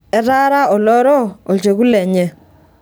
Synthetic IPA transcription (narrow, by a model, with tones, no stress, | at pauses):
ɛ˦ɾa˦ɾa˦ɔ˨lɔ˦ɾɔ˦ɔ˨t͡ʃe˨ku˦lɛ˨ɲɛ˨